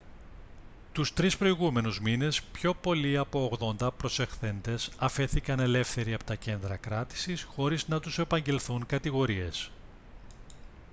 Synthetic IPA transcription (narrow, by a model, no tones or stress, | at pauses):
t̪ust̪ɾispɾo̞iɣume̞nuzmine̞spço̞po̞liɐpo̞ːɣðo̞nd̪ɐpɾo̞sexθe̞nd̪e̞sɐfe̞θikɐne̞le̞fθe̞ɾiɐpo̞t̪ɐce̞nd̪ɾɐkɾɐt̪i̥sisxo̞ɾiznɐt̪use̞pɐɲɟe̞lθuŋkɐt̪iɣo̞ɾie̞s